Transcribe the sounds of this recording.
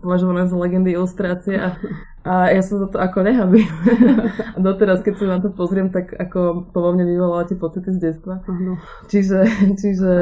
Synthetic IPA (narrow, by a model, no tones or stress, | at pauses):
pɔʋaʒɔʋalɛzlɛɡɛnd̪iilust̪ɾaːt͡siɛʔa | ʔajasɔmzat̪ɔakɔɲɛɦabim | ad̪ɔt̪ɛɾaskɛcsinat̪ɔpɔzɾɪɛmt̪akakɔpɔd̪lamɲɛʋiʋɔlalat̪ɪɛpɔt͡sit̪izɟɛt͡st̪ʋa | t͡ʃiʒɛt͡ʃiʒɛ